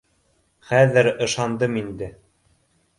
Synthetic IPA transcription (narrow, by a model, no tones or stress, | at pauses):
χæðɘɾɤ̆ʃɑnd̪ɤmind̪ɘ